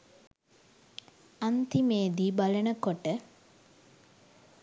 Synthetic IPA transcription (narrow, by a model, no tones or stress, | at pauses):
ant̪imeːd̪iːbalənəkoʈə